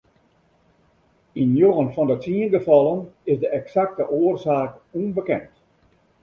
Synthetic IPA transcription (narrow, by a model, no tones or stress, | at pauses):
injoːənfɔndətiənɡəfɔlˠənɪzdəʔɛksak̚təʔoərsaːkunbəkɛ̰nt